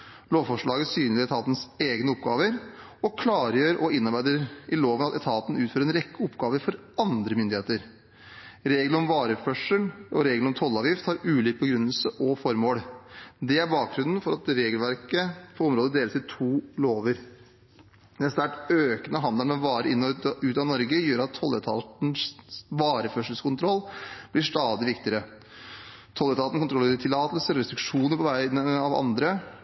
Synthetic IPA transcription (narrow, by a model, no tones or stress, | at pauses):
loːʋfɔʂɭɑːɡəsyːnlɪɛt̪ʰɑːt̪n̩seːɡnəɔpɡɑːʋəɾ | ɔkʰlɑːɾjøːɾʔɔɪnːɑɾbæɪd̪əɾʔɪloːʋənɑt̪ɛt̪ʰɑːt̪n̩ʉːt̪føːɾɛnɾɛkːəɔpɡɑːʋəɾfɔɾ | ɑnd̪ɾəmʏnd̪ɪeːt̪əɾ | ɾeːɡləɾɔmʋɑːɾəfœʂəlʔɔɾeːɡlɔmt̪ʰɔlːɑːʋjɪft̪hɑɾʉːliːk̚bəɡɾʉnːəlsəʔɔfɔɾmoːɽd̪ɛæɾbɑːk̚ɡɾʉnn̩fɔɾɑt̪ɾeːɡəlʋæɾkəpʰɔɾɔmɾoːd̪əd̪eːləsɪt̪ʰuːloːʋəɾ | d̪ɛst̪æʈøːkənəɦɑnd̪əlɔʋɑːɾəɪnːɔʉːt̪ɑnɔɾɡəjøːɾɑt̪ʰːɔlːət̪ʰɑt̪nʋɑːɾəfœʂəl̩skʊnt̪ʰɾɔlːb̥lɪʂt̪ɑːd̪ɪʋɪkt̪ɪəɾə | t̪ʰɔlːət̪ʰɑt̪nəkʰʊnt̪ɾɔleːɾət̪ʰɪlɑːt̪əlsəɾɔɾɛst̪ɾʉkʂuːnəɾpʰɔʋæɪənɑʋɑ̰nd̪ɾə